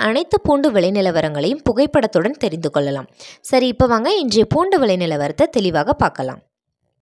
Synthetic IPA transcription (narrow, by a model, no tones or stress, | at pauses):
ɐnɐɪt̪ːɐpuːɳɖɯʋɛɭɐɪnɪlɐʋɐɾɐŋɡɐɭɐjɯmpʊɣɐɪpːɐɽɐt̪ːɯɽɐnt̪ɛɾɪnd̪ɯkɔɭːɐla̰ːmsɐɾiɪpːoʋaːŋɡɐɪndrejɐpuːɳɖɯʋɛɭɐɪnɪlɐʋɐɾɐt̪ːɐt̪ɛlɪʋaːɣɐpaːɾkɐla̰ːm